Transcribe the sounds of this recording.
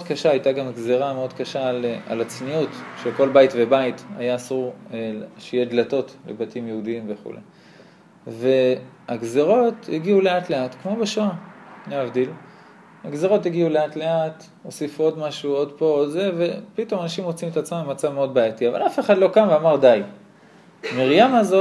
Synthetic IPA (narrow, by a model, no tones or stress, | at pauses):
od̪kaʃaajtaɡamɡze̞ʁameo̞d̪kaʃala̰lat͡sniutʃeko̞lbaitvebaita̰jaːsuʁeʃeijed̪lato̞tlḛbatimjeudiimve̞χṵlʔḛ | ve̞ | aɡzeʁo̞tiɡiule̞atle̞at̪kmo̞beʃoaneavdil | aɡzeʁo̞tiɡiule̞atle̞at̪ | osifuo̞dmaʃuo̞d̪po̞odze̞ve̞pito̞manaʃimot͡simet̪at͡smamemat͡savme̞o̞d̪̚bajatiava̰lafe̞χadlo̞kamveamaʁdaj | miʁjamazo